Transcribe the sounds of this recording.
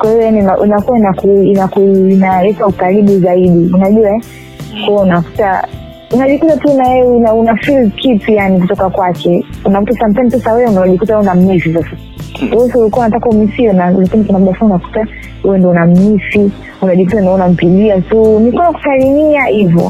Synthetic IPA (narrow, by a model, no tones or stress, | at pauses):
kwahiɔjaninaʔinakuwainakuinakuinalɛtaukaɾiɓuzaiɗiunaʄua | kwɔwɛunaku̥ta̰ | unaʄikutatunaɛnaunafilkʰipijanik̬utɔkakwakɛunakutasam̩tamsasawɛɛunaʄikutawɛunam̩mifisasa | sɔulikuaunatakaumifinalakinikunaɗafuunaku̥ta | huwɛndɔunam̩mifi | unaʄikutandɔunam̩piʄiatɔnikanaku̥salimiahivɔ̰